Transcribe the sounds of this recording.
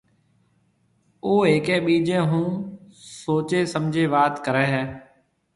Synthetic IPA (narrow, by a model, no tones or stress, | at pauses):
oːeːkẽːɓiːd͡ʒẽːɦũːsoːt͡ʃeːsəmd͡ʒʱeːʋaːt̪kəɾɛːɦɛː